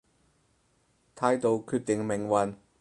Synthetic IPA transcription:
t̪ʰaː˧jt̪o˨˧wkʰyː˧t̚t̪ɪ˨ŋmɪ˨˩ŋwɐ˨˧n

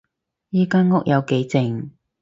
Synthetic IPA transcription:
jiː˥kaː˥nŋʊ˥k̚jɐ˨˧wke˨˥jt͡sɪ˨ŋ

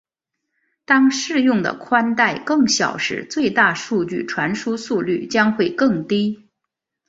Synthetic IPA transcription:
t̪ɑ˥ŋʂɻ̩˥˧jʊ˥˩ŋd̪ə̰˩kʰwa˥nt̪a˥˧˩ɪkɤ˥˩ŋɕjɑ̰˨˩ʊʂɻ̩̰˧˥t͡swe˥˧ɪt̪a˥˧ʂu˥˧t͡ɕy̰˥˩ʈ͡ʂʰwa˧˥nʂu˥su˥˧ly˥˩t͡ɕjɑ˥ŋxwe˥˩ɪkɤ˥˩ŋt̪i˥

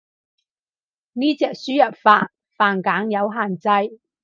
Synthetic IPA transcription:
niː˥t͡sɛː˨˧k̚syː˥jɐ˨t̚faː˧˥t̚ | faː˨nkaː˨˥ŋjɐ˨˧wɦaː˨nt͡sɐ˧j

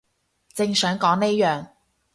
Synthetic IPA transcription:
t͡sɪ˧ŋsœː˨˥ŋkɔː˨˥ŋne˥jœː˨ŋ

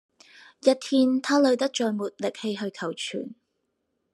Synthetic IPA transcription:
jɐ˥t̪̚ʰiː˧nt̪ʰaː˥lɵ˨˧ɥt̪ɐ˥k̚t͡ʃɔː˨jmuː˨t̚lɪ˨k̚he˧jɦɵ˧ɥkʰɐ˨˩wt͡ʃʰy̰ː˨˩n

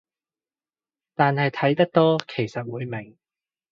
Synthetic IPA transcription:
t̪aː˨nhɐ˨jt̪ʰɐ˨˥jt̪ɐ˥k̚t̪ɔː˥kʰe˨˩jsɐ˨t̚wuː˨˧jmɪ˨˩ŋ

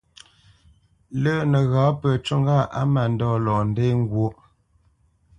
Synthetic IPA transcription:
lə˦˨nə˨ɣãː˨˦pə˨t͡ʃo˦ŋɡa˦˨ʔa˦ma˨n̩˦dɔ˦˨lɔ˨n˦de˦ŋ˦ɡwo˦

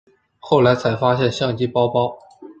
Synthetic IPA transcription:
xo˥˩ʊla˧˥ɪt͡sʰa˧˥ɪfa˥ɕ̬jɛ˥˧nɕjɑ˥˩ŋt͡ɕi˥pɑ˥ʊpɑ˥ʊ

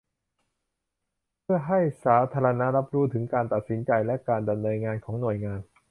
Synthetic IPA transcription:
pʰɯ˥˩ɐɦa˥˩jsaː˩˦t̪ʰaː˧ɾa˧na˦˥ɾa˦˥p̚ɾuː˦˥t̪ʰɯ˩˦ŋkaː˧nt̪a˨˩t̪̚si˩˦nt͡ɕa˧jlɛ˦˥kaː˧nda˧mnɤː˧nŋaː˧nkʰɔː˩˦ŋnu˨˩əjŋaː˧n

